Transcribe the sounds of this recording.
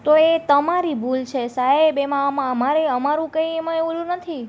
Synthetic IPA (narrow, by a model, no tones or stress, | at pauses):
t̪oet̪əmaɾibʱult͡ʃʰesaɦebemãəmaəmaɾeəmaɾũkə̃ĩemãeʋulũnət̪ʰi